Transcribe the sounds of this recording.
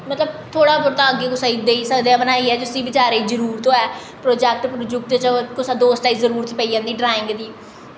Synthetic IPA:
mət̪ləb̚t̪ʰoːɽaːbʊɾt̪ãːəɡeːkʊsaid̪eːisəkd̪eãːbənaːiːɛːd͡ʒʊsĩːbɪt͡ʃaːɾeːizəɾuːɾt̪õːɛː | pɾoːd͡ʒɛːk̚ʈpɾʊd͡ʒʊkt̪et͡ʃakʊsaːd̪oːsʈaːiːzəɾuːɾt̪ːpəijãːnd̪iːɖɾaːɪ̃ŋɡd̪iː

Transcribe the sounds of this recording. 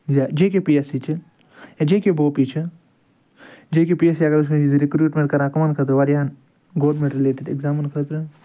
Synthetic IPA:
zad͡ʒeːkepiesit͡ʃʰɨ | ed͡ʒeːkeboːpit͡ʃʰɨ | d͡ʒekepiesiɐɡɐɾusizɾikɾuːʈmẽɳʈkɐɾãːkɐmaːnkʰɐt̪̬ɨʋɐɾjaːn | ɡoːlɖmẽɳʈɾileːʈeɖekzaːmənkʰət̪ɾɨ

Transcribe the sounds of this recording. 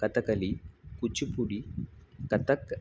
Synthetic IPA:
kɐt̪ɐkɐlikut͡ʃipuɽikɐt̪ɐk

